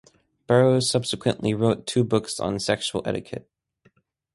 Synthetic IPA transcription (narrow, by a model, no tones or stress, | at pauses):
b̥ɜ˞oʊsʌb̥sɨkʰwɨ̰̃nʔliɹoʊtʰʉbʊksn̩sɛkʃul̩ˠɛ̰ɾɨkʰɨ̰t̚